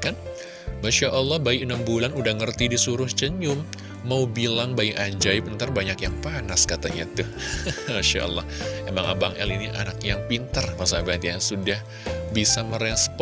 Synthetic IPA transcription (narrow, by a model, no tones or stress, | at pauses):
kan | maʃaʔəlːɑhbaiənambulanudahŋərt̪idisuɾʊht͡ʃəɲʊmː | aubilaŋbaiʔad͡ʒajpənt̪ərbaɲakjaŋpanaskat̪aɲat̪uhmaʃa̰ʔɔ̰lːɑhemaŋʔa̰baŋʔɛ̰liniʔa̰nakjaŋpint̪ərkasabat̪jasudah | bisaməɾesp